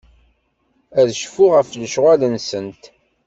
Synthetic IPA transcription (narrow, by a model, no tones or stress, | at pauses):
æðʃfʊʁəfləʃʁælənsənt̪